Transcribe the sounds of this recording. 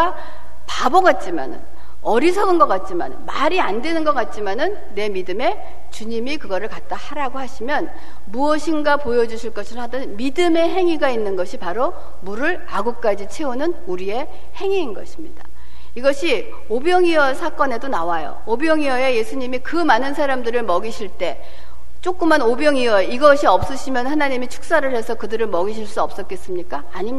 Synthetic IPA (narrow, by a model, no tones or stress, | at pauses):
a | paboɡat̚t͡ɕ͈ima̰nɯ̰n | ʌɾisʰʌɡɯnɡʌk͈at̚t͡ɕ͈ima̰nɯnmaɾiandwe̞nɯnɡʌk͈at̚t͡ɕ͈imanɯnːe̞midɯme̞ | t͡ɕuɲimikɯɡʌɾɯɭkat̚t͈ahaɾaɡohaɕʰimjʌn | muʌɕʰinɡapojʌd͡ʑuɕʰiɭk͈ʌɕʰiɾoadʌnmidɯme̞ɦe̞ŋiɡainːɯnɡʌɕʰipaɾo | muɾɯɭ | aɡuk̚k͈ad͡ʑit͡ɕʰe̞unɯn | uɾie̞ | he̞ŋiːnɡʌ̰ɕʰi̥mɲid̥a | iɡʌɕʰi | objʌŋiʌsʰak͈ʌne̞donawajo̰objʌŋiʌe̞je̞sʰuɲimikɯmanɯnsʰaɾamdɯɾɯɭmʌɡiɕʰiɭt͈e̞ | t͡ɕ͈ok͈ɯmanobjʌŋiʌeiɡʌɕʰiʌp̚s͈ɯɕʰimjʌnhanaɲimit͡ɕʰu̥k̚s͈aɾɯɭhe̞sʰʌkɯdɯɾɯɭmʌɡiɕ̬ʰiɭs͈uʌp̚s͈ʌt̚k͈es͈ɯmɲik͈aːɲimi